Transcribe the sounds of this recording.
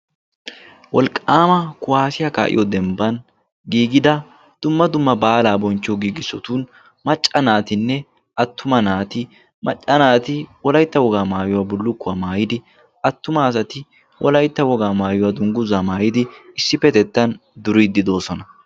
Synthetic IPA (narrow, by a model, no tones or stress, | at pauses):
wɔlkʼːaːmɐkʊwaːsɪjaka̰ːʔɪ̰jɔd̪ɛmbɐn | ɡiːɡɪd̪ɐ | d̪̥ʊmːɐd̪ʊmːɐbaːlaːbɔnt͡ʃːɔɡiːɡɪsːɔt̪uːn | mɐt͡ʃʼːɐnaːt̪ɪnːɛ | ʔɐt̪ːʊmɐnaːt̪ɪ | mɐ̰t͡ʃʼːɐnaːt̪ɪwɔlɐjt̪ːɐwɔɡaːmaːjʊwaːbʊlːʊkːʊɐmaːjɪd̪ɪ | ɐt̪ːʊmɐːsɐt̪ɪ | wʔɔ̰lɐjt̪ːɐwɔɡaːmaːjʊwad̪ʊŋɡʊzamaːjɪd̪ɪɪsːɪfɛt̪ɛt̪ːɐnd̪ʊɾid̪ɪd̪o̞ːsɔnɐ